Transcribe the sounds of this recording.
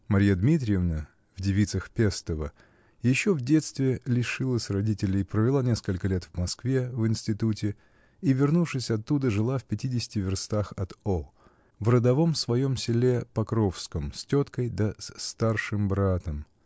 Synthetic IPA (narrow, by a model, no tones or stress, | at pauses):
mɐɾʲjad̪mʲit̪ɾʲɪjɪvnə | vdʲɪvʲit̪səxpʲest̪əvə | jɪɕːovdʲe̞t̪st̪vʲɪlʲɪʂɨlˠəsʲrɐdʲitʲɪlʲɪpɾəvʲɪlˠanʲe̞skəlʲkəlʲet̪vmɐskvʲevɨnsʲtʲɪt̪utʲɪ | ivʲɪrnufʂɨsʲɐt̪ːud̪əʐɨlˠafʲpʲɪtʲidʲɪsʲɪ̥tʲɪvʲɪrst̪axɐt̪olˠ | vrəd̪ɐvo̞msvɐjo̞msʲɪlʲe̞pɐkɾo̞fskəmsʲtʲot̪kəjd̪ɐsst̪arʂɨmbɾat̪əm